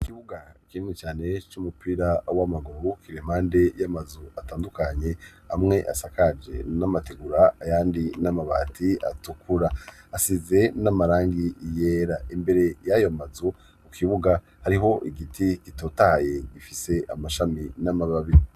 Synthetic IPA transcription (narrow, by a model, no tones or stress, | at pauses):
ikiβuɡakinŋit͡ʃaːne̞t͡ʃumupiːɾawamaɡuɾukiɾem̥aːnde̞jamazuataːndukaɲe̞ | amŋe̞ʔa̰sakad͡ʒe̞̰namateɡuɾaːjaːndinamaβa̰ːtʰia̰tukuɾaː | size̞namaɾaːŋɡije̞ːɾaimbe̞ɾe̞jajo̞mazu | ukʰiβuɡa | haɾiɦo̞ʔiɡitʰikitoːtaje̞ɡifise̞ʔa̰maʃaminamaβaβii